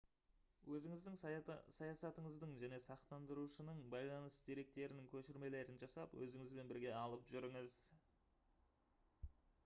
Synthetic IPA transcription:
wʔɵzɪŋɪzd̪ɪŋsɑjɑsɑt̪əɴəzd̪əɴʒæne̞sɑqt̪ɑnd̪əɾuʃənəɴbɑjlˠɑnəsd̪eɾe̞k̚t̪e̞ɾɪnɪŋkʲʰɵʃɪɾme̞le̞ɾɪnʒɑsɑpwɵ̰zɪŋɪzbe̞nbɪɾɡʲe̞ɑlˠəpʒʏɾɪŋəz

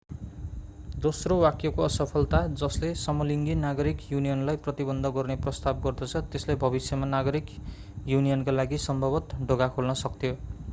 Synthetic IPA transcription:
d̪osrowakjʌkoʌsʌpʰʌlt̪ad͡zʌslesʌmʌliŋɡinaɡʌɾikjunijʌnlajprʌt̪ibʌnd̪ʱʌɡʌrneprʌst̪ab̚ɡʌrd̪ʌt͡sʰʌt̪eslebʱʌbisjʌmanaɡʌɾik | junijʌnkalaɡisʌmbʱʌbʌt̪ɖʱoɡakʰolnʌsʌk̚t̪ʰijo

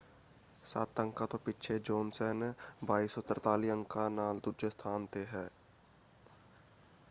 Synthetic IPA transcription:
sa̰ːt̪ə̃ŋkat̪opɪt͡ʃʰed͡ʒoːnsɛːnbaːisot̪əɾt̪aːliə̃ŋkanaːld̪ʊɾd͡ʒəst̪ʰaːnt̪eɦɛː

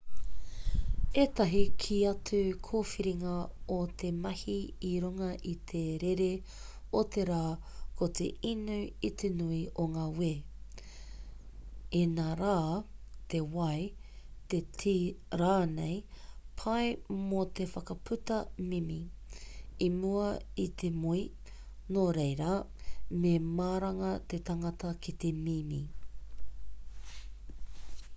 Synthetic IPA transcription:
eːt̪ɐɦikʰiɐt͡sʉkʰoːfiɾiŋɐot̪ʰe̞mɐhiiɾuŋɐʔit̪ʰeɾeɾe | ot̪e̞ɾaːkʰot̪ḛinʉit̪ʰenuiʔoŋaːweː | enaːɾaːt̪ʰe̞wɐj | t̪etʰiɾaːnejpʰɐjmot̪ʰefɐkɐpʰʉt̪ɐmimi | imuɐit̪ʰemui | noɾejɾɐ | memaːɾɐŋɐt̪e̞t̪ɐŋɐtɐkʰit̪e̞mimi

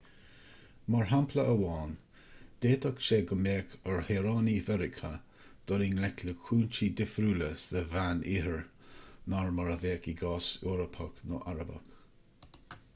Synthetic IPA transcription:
maɹɦampʰləəwɑːn | d̪̥eːt̪ɔkʃeːɡəmeːkʰəɹheːɾɑːnivɛɾɪkʰə | d̪̥ɔɾiŋlɛkləkʰuːnt͡ʃid̪ɪfɾuːləsəvaniːɦəɹnaɹmaɹəveːkiɡɑːsoːɾəpʰaknoʔaɾəbə̰k

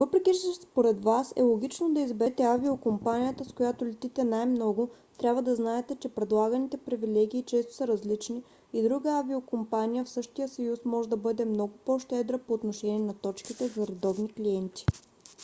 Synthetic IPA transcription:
vɤpɾɛkʲiʃspoɾɛd̪vasɛ̰lˠoɡ̟ʲit͡ʃnod̪ɐizbɛt̪ɛaviokompanijət̪əskojat̪ʊlɛt̪it̪ɛnajmnɔɡʊ | t̪ɾʲabvəd̪ɐznaɛt̪ɛt͡ʃɛpɾɛd̪lˠaɡənit̪ɛpɾivilɛɡʲiːt͡ʃɛst̪o̥sɐɾɐzlit͡ʃniː | d̪ɾuɡəaviokompanijəfsɤʃt̪ijəsɐjusmɔʒɛd̪ɐbɤd̪ɛmnɔɡʊpoʃt̪ɛd̪ɾəpoːt̪noʃɛnʲiɛnɐt̪ɔt͡ʃkit̪ɛzɐɾɛd̪ɔbnikliɛnt̪i̥

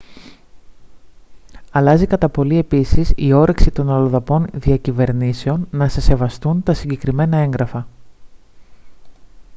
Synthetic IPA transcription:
ɐlɐzikɐt̪ɐpo̞lie̞pisisio̞ɾʔe̞ksit̪o̞nɐloðɐpo̞nðiɐcive̞ɾnise̞o̞nːɐsese̞vɐst̪unt̪ɐsiɲɟe̞kɾime̞nɐe̞ŋɡɾɐfɐ

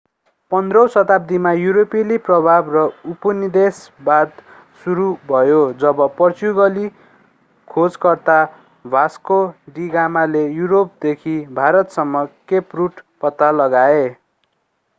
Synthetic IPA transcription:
pʌnd̪rʌw̃sʌt̪ap̚d̪imajuɾopiliprʌbʱabrʌupʌnid̪esbad̪ | suɾubʱʌjod͡zʌbʌpʌrt͡suɡʌli | kʰod͡zkʌrt̪a | bʱaskoɖiɡamalejuɾop̚d̪ekʰibʱaɾʌt̪sʌmːʌkepruʈpʌt̪ːalʌɡae

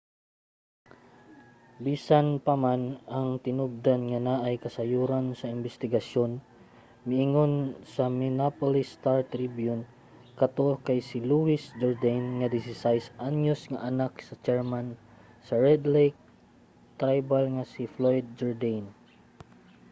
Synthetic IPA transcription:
biːsanpɐmanaŋt̪ɪnʊb̚d̪anŋanaʔajkɐsɐjuɾansɐɪmbɛst̪ɪɡɐsjon | mɪʔɪŋonsɐmɪnapolɪst̪aɹt̪ɾibjʊn | kɐt̪okajsɪluwɪsd͡ʒɔɹd̪ajnŋad̪ɪsɪsajsʔanjʊsŋaʔanaksɐt͡ʃɛɹman | sɐɹɛd̪lɛjk̚ | t̪ɾajbalŋasɪflojd̪̚d͡ʒɛɹd̪ajn

